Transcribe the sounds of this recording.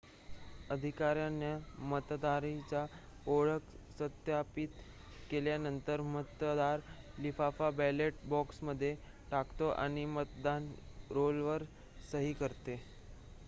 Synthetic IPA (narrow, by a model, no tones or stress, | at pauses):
əd̪ʱikaɾjanjəmət̪d̪aɾit͡ɕa | oɭəksət̪japit̪ | keljanənt̪əɾmət̪d̪aɾlifafabɛleʈbɔksməd̪ʱːje | ʈakt̪oʔa̰ɽ̃imət̪d̪anɾolʋəɾ | səɦikəɾt̪e